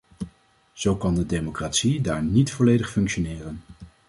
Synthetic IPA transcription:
z̥owkɑndədejmokraːtsidaːɹnitfɔlejdəχfɵŋkʃonɪːrən

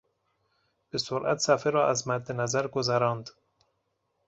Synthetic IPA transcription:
b̥esoɾʔæt̪sæfeɾɒːʔæzmæd̪ːenæzæɾɡozæɾɒːnd̪

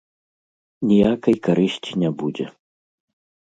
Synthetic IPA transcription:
nʲijakɐjkaɾɨɕʲt͡sʲinʲabud͡zʲɛ̰

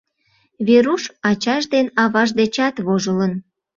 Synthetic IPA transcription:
βeɾuʃɑt͡ɕɑʃd̪enɑβɑʒd̪et͡ɕɑt̪βoʒələn

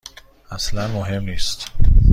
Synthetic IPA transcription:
æslænmoɦe̞mniːst̪

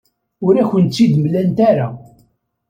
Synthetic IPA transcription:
ʊɾæçʷənt̪t͡sːid̪mlænt̪aɾa

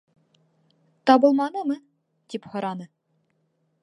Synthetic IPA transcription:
t̪ɑbɤ̆lˠmɑnɤmɤ | t̪iphŏɾʔɑnɤ

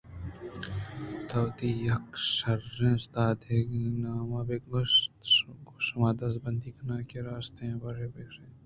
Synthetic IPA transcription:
t̪ɐwt̪ijɐkʃɐɾẽnst̪aːd̪eɡnaːmaːbeɡ | ɡusɐmaːd̪ɐsbɐnd̪iːkɐnaːkeɾaːst̪ẽbɐɾeːbeɾẽ

